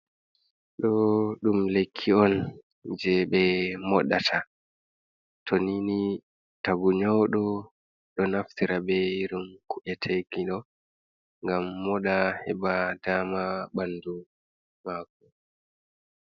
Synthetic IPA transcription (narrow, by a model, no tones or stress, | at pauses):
ɗɔɗumlekʰːiɔn | d͡ʒɛɓɛmɔɗatʰa | tʰonini | taɡuɲɔɗɔ | ɗɔnaftiɾabɛiɾumkuʔɛtʰeɡiɗɔ | ŋɡamːɔɗahɛbadaːmaɓandu | maːkɔ